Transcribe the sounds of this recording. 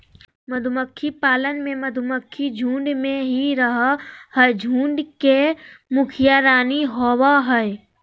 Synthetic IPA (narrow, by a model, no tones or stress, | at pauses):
məd̪ʱʊməkʰːipaːlənmẽməd̪ʱʊməkʰːid͡ʒʱũːɳɖmẽɦiɾəɦahɛd͡ʒʱũːɳɖkemʊkʰɪjaɾaːniɦoːwaɦɛe